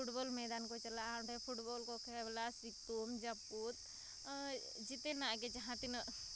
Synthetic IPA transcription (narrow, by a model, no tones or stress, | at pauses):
puʈbolmɛd̪ankot͡ʃəlaaʈepʰuʈboːlkokʰeblasik̚t̪omd͡ʒɐpːut̪ | d͡ʒit̪enaɡed͡ʒəɦãt̪in